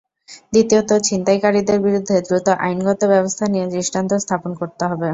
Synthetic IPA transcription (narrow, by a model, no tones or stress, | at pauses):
d̪it̪iot̪ot͡ɕint̪ajkaɾid̪eɾbiɾud̪ʱːed̪ɾut̪oʔa̰jnɡɔt̪obɛbost̪ʰanijed͡ʑɾiʃʈant̪ost̪ʰaponkoɾt̪eɦɔbe